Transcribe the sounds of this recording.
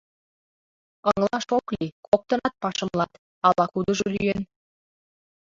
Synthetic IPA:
əŋlˠɑʃoklikʰok̚t̪ənɑt̪̚pɑʃə̆mlɑt̪ | ɑlɑkud̪ə̆ʒoly̰jen

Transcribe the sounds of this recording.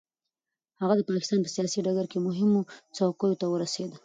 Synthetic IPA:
haɣad̪əpɑkɪ̥st̪ɑnpəsijɑsiɖaɡaɾkemʊɦɪmot͡sawkəjot̪awəɾased̪ə

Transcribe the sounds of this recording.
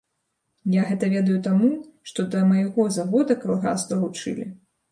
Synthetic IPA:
jaɣɛt̪ɐvʲeɛd̪ɐjut̪amuʂt̪ɔd̪ɐmɐjaɣɔzaɣɔd̪ɐkalˠɣa̰zd̪ɐlˠut͡ʂɨ̰lʲi

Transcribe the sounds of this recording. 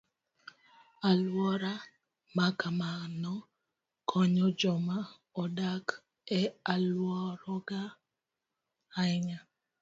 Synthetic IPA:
alwɔɾa | makamanɔ | kʰɔɲɔd͡ʒɔma | ɔdak | ɛalwɔɾɔɡa | ɪɲa

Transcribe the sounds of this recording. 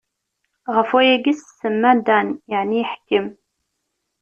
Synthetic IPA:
ʁəfæjæɡissəmːænd̪ænjəʕniħkːəm

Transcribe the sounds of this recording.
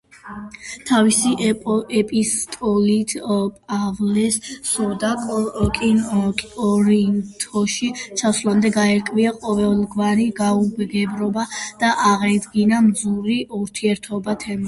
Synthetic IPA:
t̪ʰavisiɛpʼist̪ʼɔlit̪ʰʼavlɛssɔd̪akʼɔkʼinʼɔɾint̪ʰɔʃit͡ʃʰaswlˠamd̪ɛɡaɛɾkʼviaqʼɔvɛlˠɡvaɾiɡaubɡɛbɾɔbad̪̥aʔaʁad̪ɡinamzuɾiuɾt̪ʰiɛɾt̪ʰɔbat̪ʰɛma

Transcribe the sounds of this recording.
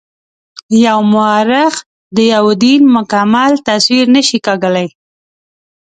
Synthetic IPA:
jawmʊɑɾɪx | d̪əjawd̪inmʊkamalt̪aswiɾnəʃikaɡəlaj

